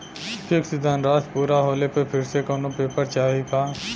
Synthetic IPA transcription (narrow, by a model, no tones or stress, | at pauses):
pʰeksɪd̪ʱaːnɾaːspuːɾaɦoːlepepʰɪɾsekoːnopeːpəɾt͡ʃaːɦipaː